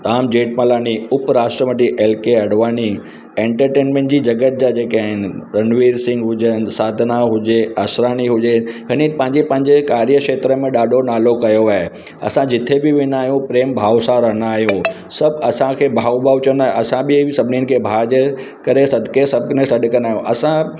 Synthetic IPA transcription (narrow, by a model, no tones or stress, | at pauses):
t̪aːmd͡ʑeːʈ̚mɐlaːniʊpɾaːʃʈɾəməʈ̪iʔeːlkeɐɽʋaːni | ẽːɳʈəɾʈeːnmẽːɳʈd͡ʑiːd͡ʑɐɡət̪̚d͡ʑaːd͡ʑeːkaːɦɪnɪ̆ɾɐnʋiːɾsɪ̃ŋɡɦʊd͡ʑənsaːd̪ʱnaɦʊd͡ʑeɐsɾaːniɦʊd͡ʑeɦɪnipɐ̃ɦɪ̃ɲd͡ʑepɐ̃ɦɪɲd͡ʑekaːɾjəkʃeːt̪ɾəmẽɗaːɖʱonaːlokɐjoaːɦe | ɐ̰sãd͡ʑɪt̪ʰebɪʋɪnaːɦijũpɾeːmbʱaːʋsãɾɐɦəñaːɦijũ | sɐbɐsãkʰeːbʱaːubaːut͡ɕɐnaːɦɐsãbɪsɐbʱɪnin̆kʰeːbʱaːd͡ʑə | kɐɾesɐd̪ʱkesɐb̚knẽsɐɖkɐ̃naːɦjũʔɐsã